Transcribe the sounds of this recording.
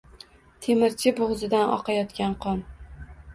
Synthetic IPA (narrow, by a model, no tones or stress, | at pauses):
t̪ʰe̞mɪɾt͡ʃʰɪboʁzɪd̪anʔɒ̰qʰɑjɒt̪kʲanqʰɒn